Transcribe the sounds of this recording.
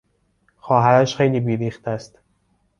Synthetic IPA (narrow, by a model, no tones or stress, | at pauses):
xɒːɦæɾæʃxejliːbiːɾiːxt̪æst̪